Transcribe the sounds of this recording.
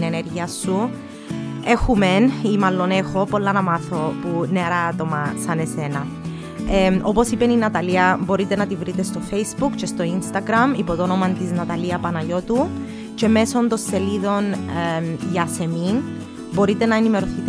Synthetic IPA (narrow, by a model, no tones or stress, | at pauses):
neneɾʝiɐsːu | exumenimɐlːo̞nexo̞po̞lːɐnɐmɐθo̞puneɐɾɐːt̪o̞mɐsɐne̞se̞nɐ | o̞po̞sipeninɐt̪ɐliɐbo̞ɾit̪e̞nɐt̪ivɾit̪est̪o̞fejsbukt͡ʃest̪o̞inst̪ɐɡɾɐmipo̞ðonomɐnt̪iznɐt̪ɐliɐpɐnɐʝo̞t̪u | ce̞me̞so̞nd̪o̞nse̞liðo̞n | ʝɐse̞min | bo̞ɾit̪e̞nɐenime̞ɾo̞θit̪